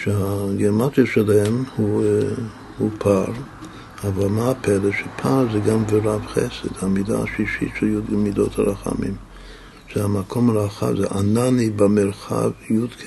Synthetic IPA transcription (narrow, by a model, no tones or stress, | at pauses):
ʃeaɡeɾmat͡siaʃelemhu | hupʰaɾ | avalmaapʰɛɾeʃɛpʰaɾzɛɡamveɾavχɛ̰sḛd̥̪hamida̰aʃiʃḭt̪ʃɛljud̪mid̪o̰t̪haɾaχa̰mḭm | ʃɛhamakʰomaɾaχa̰vzɛʔananibameɾχa̰vjud̪kʰ